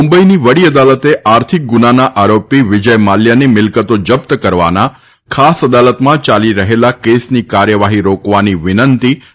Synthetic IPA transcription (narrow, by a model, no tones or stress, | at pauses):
mumbəiniʋəɽiəd̪alət̪eʔaɾt̪ʰik̚ɡunanaʔaɾopiʋɪd͡ʒəjmaljanimɪlkət̪od͡ʒəp̚t̪əkəɾʋa̰na | kʰasəd̪alət̪mãt͡ʃaliɾəɦelakesnikaɾjəʋaɦiɾokʋaniʋɪnənt̪i